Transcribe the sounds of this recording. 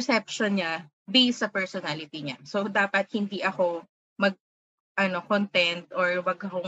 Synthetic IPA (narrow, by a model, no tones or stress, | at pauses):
sɛp̚ʃonɲa | bisɐpɛɹsɔnalɪt̪iɲa̰sod̪aːpɐt̪̚hɪnd̪iʔɐko̞ | mɐɡ̚ | ʔɐnokont̪ɛnt̪ʔɔɹwɐɡɐko